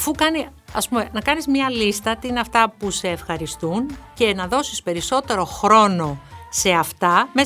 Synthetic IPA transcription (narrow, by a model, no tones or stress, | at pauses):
ɐfukɐni | ɐspume̞nɐkɐnizmɲɐlist̪ɐt̪iineɐft̪ɐpuse̞ːfxɐɾist̪unce̞nɐðo̞sispe̞ɾiso̞t̪e̞ɾo̞xɾo̞no̞se̞ɐft̪ɐme